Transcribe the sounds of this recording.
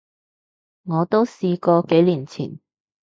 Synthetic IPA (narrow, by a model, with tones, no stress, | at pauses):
ŋɔː˨˧t̪o˥wsiː˧kɔː˧ke˨˥jliː˨˩nt͡sʰḭː˨˩n